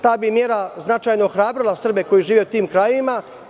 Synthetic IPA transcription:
t̪aːbimjeːɾaznat͡ʃajnooxɾaːbɾilˠasr̩be̞ko̞jiʒiːʋeut̪iːmkɾaːjima

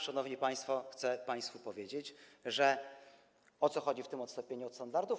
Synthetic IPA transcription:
ʂanɔvɲipaj̃st̪fɔxt̪sɛpaj̃st̪fupɔvʲjed͡ʑet͡ɕʐɛ | ɔt̪sɔxɔd͡ʑift̪ɘmɔt̪st̪ɔmpʲeɲuɔt̪st̪and̪aɾd̪u

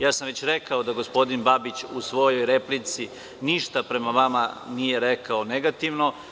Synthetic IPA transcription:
jaːsamʋet͡ɕɾekaod̪aɡo̞spo̞d̪inbabit͡ɕusʋo̞jo̞jɾeplit̪si | niʃt̪apɾe̞maʋamanije̞ɾekaoneɡat̪iʋno̞

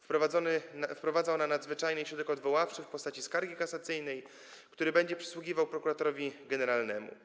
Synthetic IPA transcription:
fɾɔvaɔnfpɾɔvad̪zaɔnanad̪zvɘt͡ʂajnɛɕɾɔd̪ɛkɔd̪vɔwaft͡ʂɘfpɔst̪at͡ɕiskaɾɡʲikasat̪sɘjnɛj | kt̪uɾɘbɛɲd͡ʑɛpʂɛ̥swuɡʲivawpɾɔkuɾat̪ɔɾɔvʲiɡɛnɛɾalnɛmṵ

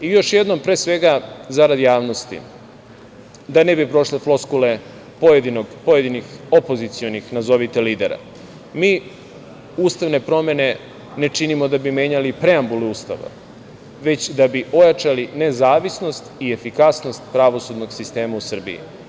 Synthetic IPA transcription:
ijo̞ʃjed̪no̞mpɾeːsʋe̞ɡazaɾad̪ijaːʋno̞st̪ḭ | d̪ane̞bipɾo̞ʃleflˠo̞skule̞ | pojed̪inoɡpoje̞d̪inixo̞po̞zit̪sijonixnazo̞ʋit̪eliːd̪eɾa̰ | miː | uːst̪aʋne̞pɾo̞me̞ne̞ | ne̞t͡ʂinimo̞d̪abime̞ːɲalipɾe̞ambulɛuːst̪a̰ʋa̰ | ʋe̞t͡ɕd̪abio̞jat͡ʂaline̞zaːʋisno̞st̪iefikasno̞st̪pɾaʋo̞sud̪no̞ɡsist̪e̞ːmausr̩bḭḭ

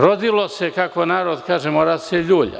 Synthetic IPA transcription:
ɾod̪ilosekakoenaːɾod̪kaːʒemoːɾaseʎuːʎa̰

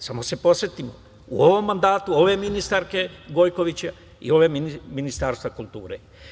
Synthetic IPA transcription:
samo̞se̞po̞sjet̪imo | ṵo̞ʋo̞mːand̪aːt̪uo̞ʋe̞minist̪aɾke̞ɡo̞jko̞ʋit͡ɕa | ḭo̞ʋe̞miniminist̪aːɾst̪ʋakulˠt̪uːɾe̞̰

